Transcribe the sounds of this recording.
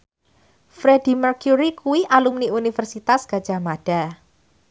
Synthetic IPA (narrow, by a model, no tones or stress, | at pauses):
fɾed̥i̤mərkjuɾikuwiʔalumniunifərsit̪asɡ̥a̤d̥ʒ̥a̤mad̥a̤